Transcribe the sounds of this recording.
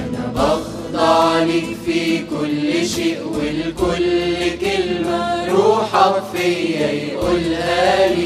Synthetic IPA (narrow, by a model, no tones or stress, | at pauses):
ʔɑf | d̪ˤɑlɪkfiːkʊlːɪʃɪʔwɪlkʊlkaɪlmaɾuːħafiːjajʔʊlhaːl